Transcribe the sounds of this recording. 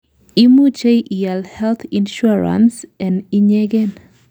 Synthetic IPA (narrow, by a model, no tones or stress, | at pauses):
imut͡ʃejʔijalhɛlt̪inʃuɹa̰nsɛniɲɛɡɛn